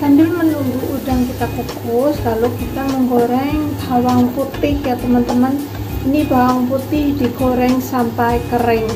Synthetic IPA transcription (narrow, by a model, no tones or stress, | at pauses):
t̪anbɪlmənuŋɡuʔudaŋkit̪akukʊslalokit̪aməŋɡoɾɛŋb̥ʱawaŋput̪ɪhjat̪əmənt̪əmən | inib̥a̤waŋput̪ɪhd̪̥iɡ̥oɾɛŋsampajkəɾɪŋ